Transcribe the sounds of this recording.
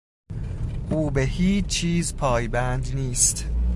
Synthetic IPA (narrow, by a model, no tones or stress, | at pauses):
ʔuːbehiːt͡ʃt͡ʃʰiːzpʰɒːjbænd̪niːst̪